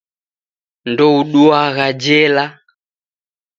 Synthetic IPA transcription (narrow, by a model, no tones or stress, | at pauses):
ndɔuɗuaɣad͡ʒɛla